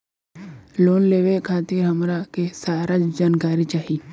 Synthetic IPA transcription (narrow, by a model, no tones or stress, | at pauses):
loːnleːʋekʰaːt̪ɪɾɦɐmɾakesaːɾad͡ʒd͡ʒaːnkaːɾit͡ʃaːɦi